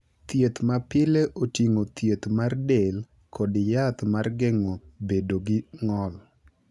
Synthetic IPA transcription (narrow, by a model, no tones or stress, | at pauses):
t̪jet̪mapɪleʔotiŋot̪jet̪mardel | kʰɔdɪjat̪marɡɛŋobedoɡɪŋɔl